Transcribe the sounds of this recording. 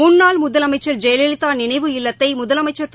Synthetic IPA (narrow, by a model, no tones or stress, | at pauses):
unnaːlmʊðɐlɐmɐɪt͡ʃːɐɾd͡ʒɛjɐlelɪt̪ːaːnɪnɐɪʋɯɪlːɐt̪ːɐɪmʊðɐlɐmɐɪt͡ʃːɐɾ